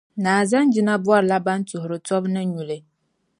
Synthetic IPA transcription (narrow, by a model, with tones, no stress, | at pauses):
naː˨za˦nd͡ʒi˦na˦bu˦a˦ɾɨ˨la˦ba˦n˦tʊ˨hʊ˨ɾɨ˨tɔ˦bnɨ˦ɲu˨lɨ˨